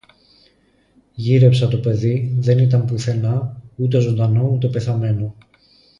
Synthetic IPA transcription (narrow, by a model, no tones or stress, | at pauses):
ʝiɾe̞psɐt̪o̞pe̞ðiðe̞nit̪ɐmpuθe̞nɐut̪̬e̞zo̞nd̪ɐno̞ut̪e̞pe̞θɐme̞no̞